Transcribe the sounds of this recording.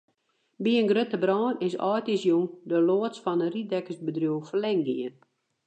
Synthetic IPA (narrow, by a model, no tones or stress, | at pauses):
biənɡrøtəbrɔːnɪsɔ̰jtɪsjuŋdəloəsfɔnəridɛkəsbədrjuəwfəlɛŋɡiən